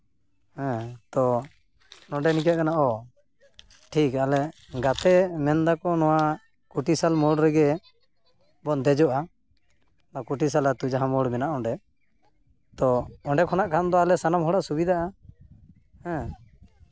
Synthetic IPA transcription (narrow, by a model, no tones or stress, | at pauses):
hɛ̃t̪ɔ | nɔɳɖɛnikaʔkanaʔɔ | ʈʰikalɛ | ɡat̪ɛmɛnd̪akɔnɔwa | kuʈisalmɔɽɾɛɡɛ | bɔnd̪ɛd͡ʒɔʔa | nɔkuʈis̬alat̪ud͡ʒaɦãmɔɽmɛnaʔɔɳɖɛ | t̪ɔɔɳɖɛkʰɔnaʔkʰand̪ɔalɛsanamɦɔɽaʔsubid̪aʔa | hɛ̃